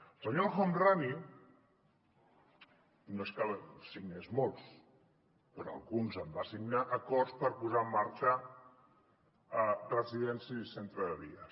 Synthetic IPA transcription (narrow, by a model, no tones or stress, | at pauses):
saɲolxomrani | noeskalsiɡnezmolˠs | pəɾoa̰lˠɣunzəmbasiɡnaʔəkɔrspəɾpuzaəmːaɾt͡ʃa | rəziðɛnsiisent̪ɾəðəβiə